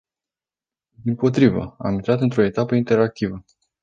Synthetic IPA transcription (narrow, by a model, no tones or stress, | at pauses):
d̪impo̞t̪ɾivə̰a̰mint̪ɾat̪ɨnt̪ɾo̞e̞t̪apəint̪e̞ɾak̚t̪ivə